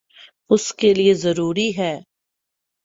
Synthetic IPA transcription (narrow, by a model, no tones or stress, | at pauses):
ʊskeliezɐɾuːɾiɦɛː